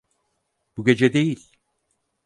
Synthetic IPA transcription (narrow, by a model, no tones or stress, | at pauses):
buɟʲe̞d͡ʒɛd̪e̞jilʲ